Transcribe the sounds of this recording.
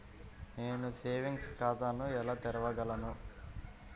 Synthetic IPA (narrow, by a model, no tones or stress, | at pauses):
neːnuseːʋiŋɡskaːd̪aːnuɛlaːt̪ɛɾɐʋɐɡɐlɐnu